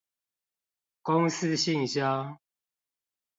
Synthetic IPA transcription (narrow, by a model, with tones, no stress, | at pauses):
kʊ˦ŋsɨ˦ɕi˥˨ŋɕja˦